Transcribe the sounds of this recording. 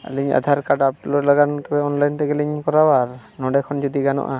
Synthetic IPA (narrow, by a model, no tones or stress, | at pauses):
liɲa̰d̪ʱaɾkaɖap̚lɔɾlaɡant̪ɔbɛɔnlajnt̪ɛɡɛliɲkɔɾawaɾnɔɖɛkʰɔnd͡ʒɔd̪iɡanɔ̰ʔa